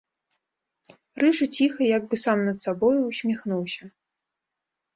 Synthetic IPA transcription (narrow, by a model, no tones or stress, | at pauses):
rɨʐɨt͡sʲixɐjaɡ̚bɨsamnɐt̪sabɔjusʲmʲaxnuwsʲɐ